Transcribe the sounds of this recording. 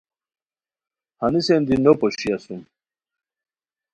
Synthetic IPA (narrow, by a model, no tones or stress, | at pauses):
hɐnisend̪inopoɕiasum